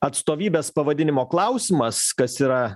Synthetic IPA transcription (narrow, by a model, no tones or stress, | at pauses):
ɐt̪st̪oːʋʲiːbʲeːspɐʋɐd̪ʲɪnʲɪmoːklˠɐʊsʲɪmɐskɐsiːɾɐ